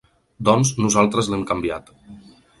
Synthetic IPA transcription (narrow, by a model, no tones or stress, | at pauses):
d̪ɔnznuzalˠt̪ɾəzlɛmkambiat̪